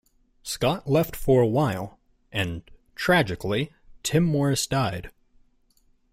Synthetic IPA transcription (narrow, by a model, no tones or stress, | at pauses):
skɑʔlɛftfə˞əwaɪlˠ | ʔɨ̃ntʰɹ̥æd͡ʒɨkli | tʰɪ̃mːɔɹɨsd̥aɪd̥